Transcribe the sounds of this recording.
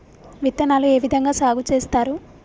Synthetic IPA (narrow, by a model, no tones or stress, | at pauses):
ʋit̪ːɐnaːlue̞ːʋid̪ʱɐŋɡaːsaːɡut͡ʃeːst̪aːɾu